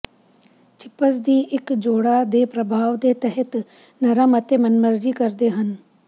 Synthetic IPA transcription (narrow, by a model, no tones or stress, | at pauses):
t͡ʃɪpəs̬d̪iːʔɪkd͡ʒoːɽaːd̪eːpɾəbʱaːʋd̪eːt̪ɛɦət̪ | nəɾaːmət̪eːmənməɾd͡ʒiːkəɾd̪eːɦən